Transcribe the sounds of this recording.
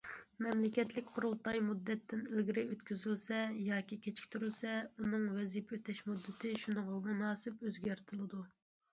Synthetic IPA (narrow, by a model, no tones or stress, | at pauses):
mɛmlɪkʲɛt̪lɪkʲqʰʊɾulˠt̪ɑjmud̪ːɛt̪ʰːɪnɪlɡʲɪɾɪøt̪kʲyzylsɛjɑːkʲikʲʰet͡ʃʰi̥kʲt̪ʰyɾylsɛunɨŋwɛzipøt̪ʰɛʃmud̪ːɪt̪ʰɪʃunɨŋʁɑmunɑːsɪpøzɡʲæɾt̪ʰɪlˠɨd̪u